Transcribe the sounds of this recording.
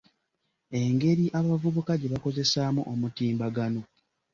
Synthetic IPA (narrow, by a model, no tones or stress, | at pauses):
e̞ŋɡe̞ɾiʔaβavuβukaɟe̞βako̞ze̞saːmuʔomutiːmbaɡano̞